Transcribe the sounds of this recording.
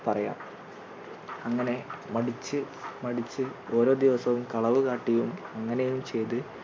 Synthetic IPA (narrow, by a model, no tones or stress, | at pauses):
pɐrɐja̰ːm | ɐŋːɐne̞mɐɽit͡ɕːɨ | mɐɽit͡ɕːɨo̞ːɾo̞ːd̪iʋɐsɐʋumkɐɭɐʋɨkaːʈːijumɐŋːɐnejjumt͡ɕe̞jt̪̬ɨ